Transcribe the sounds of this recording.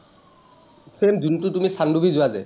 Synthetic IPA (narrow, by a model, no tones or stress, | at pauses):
semd̪untutumisandubʱizʊazɛ̰